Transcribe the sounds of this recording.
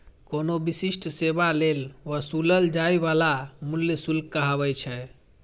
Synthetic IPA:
konobisisʈʰsebalelʋəsuləld͡ʒaiʋalamuljəsulkːəɦaβɛt͡ʃʰɛ

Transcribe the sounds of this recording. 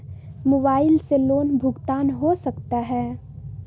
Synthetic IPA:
moːbaːɪlseloːnbʱʊɡt̪aːnɦosəkt̪aɦɛː

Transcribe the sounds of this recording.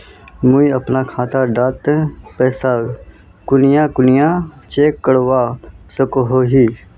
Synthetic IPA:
mʊiəpnaːkʰãːt̪aːɖaːt̪pɛːsaː | kʊnɪjãːkʊnɪjãːt͡ʃeːkːəɽʋaːsəkoɦoːɦiː

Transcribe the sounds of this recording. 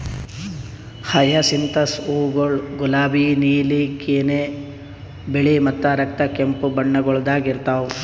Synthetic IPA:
hɐjɐsint̪ɐsuːɡoɭɡulaːbiniːlikeːne | biɭimɐt̪ːɐɾɐk̚t̪ɐkempubɐɳːɐɡɔɭd̪aːɡiɾt̪aːu

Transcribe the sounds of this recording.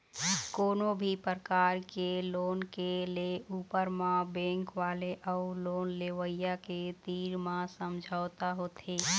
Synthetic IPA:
koːnobʱipəɾkaːɾkeloːnkeleuːpəɾmãbẽːŋkʋaːleʔəuloːnleʋəjjaket̪iːɾmãsəmd͡ʒʱaːʊt̪aɦoːt̪ʰeː

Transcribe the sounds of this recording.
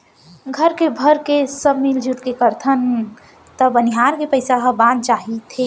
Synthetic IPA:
ɡʱəɾkebʱəɾkesəbmild͡ʒʱuʈkekəɾt̪ʰən | t̪əbəniɦaːɾkepəɪsaɦəbãnd̪t͡ʃaːɦit̪ʰe

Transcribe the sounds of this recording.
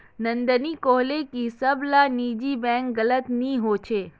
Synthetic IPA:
nənd̪ənikoɦlekisəblanid͡ʒibɛ̃ŋk̚ɡələt̪nĩɦot͡ʃʰe

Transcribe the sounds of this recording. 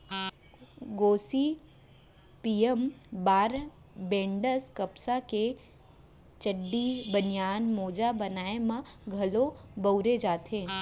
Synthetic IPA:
ɡoːsi | piːjəmbaːɾ | bẽːɳɖəskɐpsake | t͡ʃəɖːibənijaːnmoːd͡ʒabənaːemãɡʱɐlobəʊɾed͡ʒaːt̪ẽː

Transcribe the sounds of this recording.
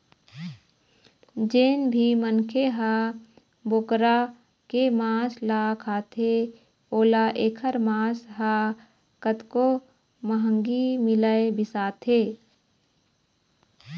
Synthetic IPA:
d͡ʒeːnbʱimənkʰeɦa | bokɾa | kemãːslaːkʰaːt̪ʰe | oːlaʔeːkʰəɾmãːsɦaː | kət̪ko | məɦə̃ŋɡimɪləebɪsaːt̪ʰeː

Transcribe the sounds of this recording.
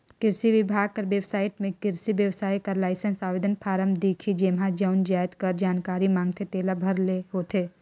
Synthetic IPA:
kɪɾsiʋɪbʱaːɡ̚kɐɾʋjeʋsaːɪʈmẽkɪɾsiʋjəwsaːikɐɾlaːɪsənsaːʋeːd̪ənpʰaːɾəmd̪eːkʰid͡ʒeːmɦad͡ʒəʊnd͡ʒaːjt̪kɐɾd͡ʒaːnkaːɾimãːŋɡt̪ʰet̪eːlabʱɐɾleɦot̪ʰeː

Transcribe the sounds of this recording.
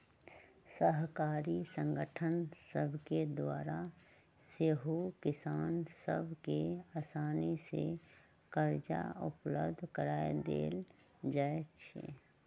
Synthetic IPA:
səɦkaːɾisə̃ŋɡəʈʰənsəbʱked̪waːɾa | seɦokɪsaːnsəbʱkeaːsaːnisḛ | kəɾd͡ʒa̰ʊplə̰bd̪ʱkəɾaːjed̪ḛːl | d͡ʒaːet͡ʃʰḛ

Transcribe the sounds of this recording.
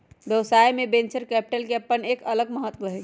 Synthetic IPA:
d̪oːsaːemẽbẽnt͡ʃəɾkɛːp̚ʈəlkeɐpːəneːkɐləɡməɦət̪ːwoɦɛ

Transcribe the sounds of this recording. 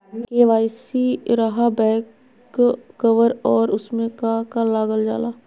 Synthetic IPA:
keːʋaːjsiɾaɦabɛ̃ːk | kəʋəɾɔːɾʊsmẽkakalaːɡəld͡ʒa̰ːlaː

